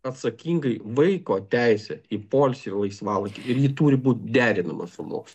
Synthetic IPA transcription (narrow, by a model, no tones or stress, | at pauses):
ɐt̪sɐkʲiːŋɡɐɪʋɐɪkoːt̪ʲæɪsʲɛipoːlʲsʲɪrlˠɐɪsʋɑːlˠɐt̪ʲɪɪɾjɪt̪uːɾʲɪbuːt̪̚ʲd̪ʲæːɾʲɪnɐmɐ̰sʊmo̰ːksʲ